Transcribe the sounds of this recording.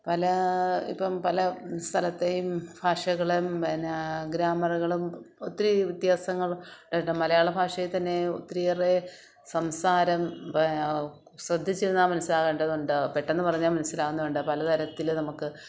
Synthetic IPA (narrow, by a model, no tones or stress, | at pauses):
pɐlɐḭpːɐmpɐlɐst̪ʰɐlɐt̪ːejumb̥ʱaːʂɐɣɐɭumnɡɾaːmɐɾɐɣɐɭumot̪ːiɾiʋit̪jaːsɐŋːɐɭuɖeɳɖɐmːɐlɐjaːɭebʱaːʂɐjit̪ɐnːe̞o̰t̪ːɾijɐre | sɐmsaːɾɐm | srɐd̪ʱːit͡ɕːiɾunːaːmɐnɐsːilaːɣeːɳɖɐðuɳɖɨpeʈːe̞nːɨpɐrɐɲːaːmɐnɐsːilaːɣunːɐuɳɖɨpɐlɐt̪ʰɐɾɐt̪ːilnɐmukːɨ